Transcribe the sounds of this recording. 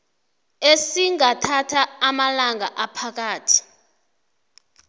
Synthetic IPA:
esiŋatʰatʰaːmalaŋaʔapʰak̬aːtʰi̥

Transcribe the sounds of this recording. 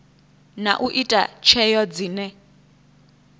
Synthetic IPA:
na̰ʔuʔitʼa̰t͡ʃʰɛjɔd͡ziːnɛ

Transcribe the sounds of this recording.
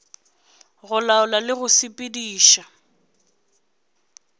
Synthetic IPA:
ɣʊlaʊlalɪɣʊsɪpʼɪdiːʃa

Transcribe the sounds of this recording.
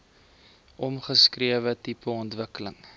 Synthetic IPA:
ʔɔmχəskriəvətipəɔntvəkələŋ

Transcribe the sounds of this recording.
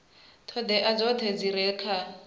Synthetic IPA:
tʰɔd̪ɛʔad͡zɔt̪ʰɛd͡ziɾɛkʰa

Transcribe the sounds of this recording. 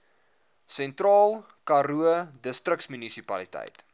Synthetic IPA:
sɛntrɑːlˠ | kɐɾuədəstɾək̚smynisipɐlitɛ̰jt

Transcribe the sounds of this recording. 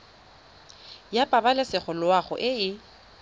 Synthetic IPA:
japʼabalɪsɪχʊlʊwaχʊ̰ʔɪɪ

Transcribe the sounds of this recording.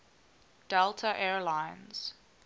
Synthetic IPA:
d̥ɛltʰəʔɛɹlãɪnz̥

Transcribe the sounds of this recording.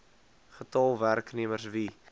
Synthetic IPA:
χətɑlˠværkniəmərsvi

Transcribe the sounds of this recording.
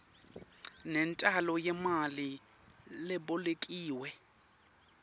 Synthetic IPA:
nɛntʼalɔjɛmali | lɪbɔlekʼiːwɛ

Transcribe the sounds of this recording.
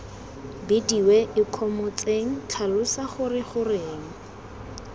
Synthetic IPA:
bɪdiwɛʔɪkʰɔmʊt͡sʼeŋ̩tʰalʊsaχʊrɪχʊreːŋ̩

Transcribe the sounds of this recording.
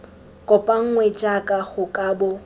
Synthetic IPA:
kʼɔpʼaŋ̩ŋwɛt͡ʃʼakʼaɣʊkʼaːbɔ

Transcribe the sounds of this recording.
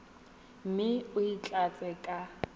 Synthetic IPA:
m̩mɪʊit͡ɬʼat͡sʼɛkʼa

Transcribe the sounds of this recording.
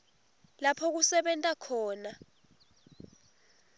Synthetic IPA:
lapʰɔk̬usɛɓɛntʼakʰɔːna

